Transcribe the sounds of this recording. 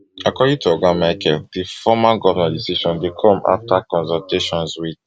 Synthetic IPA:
akɔdĩŋtʰuɔɡãmaɪkʰɛldifɔmaɡɔvanãdisiʃɔ̃ndekʰɔ̃mʔa̰ftakɔ̃nsɔlteʃɔ̃nswid

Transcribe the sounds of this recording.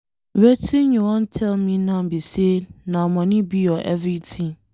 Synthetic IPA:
ɾɛtʰĩɲũwɔ̃ntʰɛlmĩnãmbisenãmɔ̃nɪ̃bijɔʔɛvɾitʰĩŋ

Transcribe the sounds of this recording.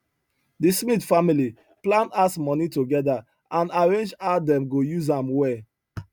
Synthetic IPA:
dismitfamili | plãnasmɔnitoɡɛda | ãnaɹẽnd͡ʒadɛ̃mɡojuzãmwɛ

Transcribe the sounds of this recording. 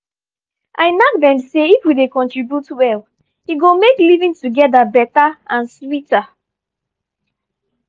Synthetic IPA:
ʔaɪnak̚dɛ̃mseifwidekɔ̃ntɹibjutwɛl | iɡomeklivĩŋtuɡɛdabɛtaãnswita

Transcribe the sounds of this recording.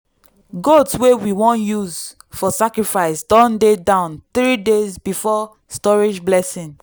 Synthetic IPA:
ɡodswewiwɔ̃njuz | fɔsakɹifaɪsdɔ̃ndedãʊ̃nθɹidezbifɔ | stɔɹid͡ʒblɛsĩŋ

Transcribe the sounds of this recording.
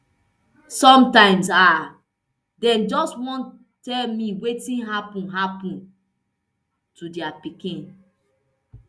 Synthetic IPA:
sɔ̃mtãɪ̃msa | dɛ̃nd͡ʒɔstwɔ̃n | tɛlmiwetĩnɦapũnɦapũn | tudiapikĩn

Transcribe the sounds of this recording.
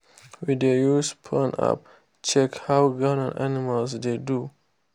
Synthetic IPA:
wid̪ejuspʰəna̰p̚ | t͡ʃɛkhawɡanã̰nʔa̰nimalsd̪edu

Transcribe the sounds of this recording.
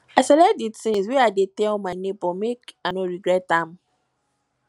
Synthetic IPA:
asɛlɛtditĩŋsweadetɛlɔmanẽbɔmekanõɹiɡɾɛtãm

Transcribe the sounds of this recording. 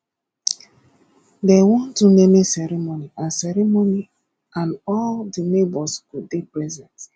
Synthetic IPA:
dɛwɔ̃ntunemisɛɾimoniʔasɛɾimoni | ãnɔldinebɔskudepɾɛzɛ̃nt

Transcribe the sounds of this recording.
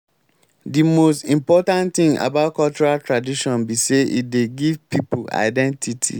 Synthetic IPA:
dimostĩmpɔtãntθĩŋa̰baʊt̚kʰɔlt͡ʃuɹaltʰɹadiʃɔ̃nbiseʔḭdeɡivpʰipʰula̰ɪdɛ̃ntʰitʰḭ

